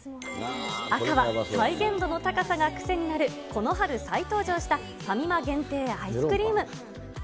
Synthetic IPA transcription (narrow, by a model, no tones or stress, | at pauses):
akaβasaiɡẽ̞nd̪o̞no̞t̪akasaɡakɯ̟̥se̞ɲ̟inaɾɯ̟kʰo̞no̞ɦaɾɯ̟sait̪o̞ːʑo̞ːɕi̥t̪a | samʲimaɡẽ̞nt̪e̞ːaisɨ̥kɯ̟ɾʲiːmɯ̟